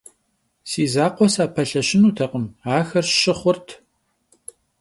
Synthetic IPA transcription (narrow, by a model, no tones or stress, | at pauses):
siːzaːqʷɔsaːpʰɐɬɐɕɪnuːtʰɐqəmaːxɐrʃɪχʷʊrtʰ